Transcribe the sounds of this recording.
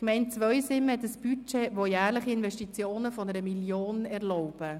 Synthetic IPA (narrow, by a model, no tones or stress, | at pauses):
kmɛɪnt͡sʋœʏsɪmɛt̪əsb̥yt͡ʃeʋojæːɾləχiɪnvɛʃtit͡sjoːnəfɔnəɾəmiljoːnɛɾlɔʊb̥ə